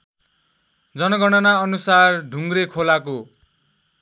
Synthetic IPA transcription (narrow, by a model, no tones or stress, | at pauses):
d͡zʌnʌɡʌɽ̃ʌnaʌnusarɖʱuŋɡrekʰolako